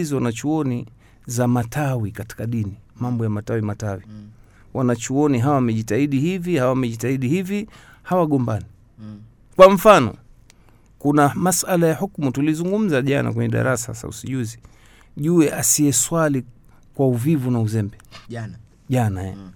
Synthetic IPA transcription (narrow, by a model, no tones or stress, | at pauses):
izɔwanat͡ʃuɔni | zamatʰawikati̥kaɗinimambɔjamatawimatawi | wanat͡ʃuɔniɦawawamɛʄitaiɗihivihawamɛʄitaiɗihivi | hawaɠɔmbani | kwam̩fanɔ̰ | kunamasalajahukmutulizuŋɡum̩zaʄana̰k̬wɛɲɛɗa̰ɾasa̰sa̰ṵsiʄuzi | ʄuɛʔasiɛswali | kwauvivunauzɛmbɛ | ʄanajɛ̰